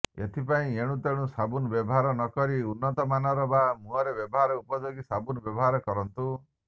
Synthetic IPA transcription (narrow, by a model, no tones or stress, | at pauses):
ḛt̪ʰipaĩeɽ̃ũt̪eɽ̃ũsabunbjɔbɔɦaɾɔnɔkɔɾiunːɔt̪ɔmanɔɾɔbamũɔɾebjɔbɔɦaɾɔupɔd͡ʒoɡisabunɔbjɔbɔɦaɾɔkɔɾɔnt̪u